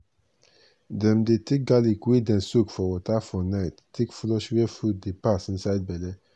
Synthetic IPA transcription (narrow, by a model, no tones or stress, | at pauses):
dɛ̃mdetek̚ɡalikwidɛ̃nsukfɔwɔtafɔnaɪtːekflɔʃwɛfud̚depasn̩saɪd̚bɛlɛ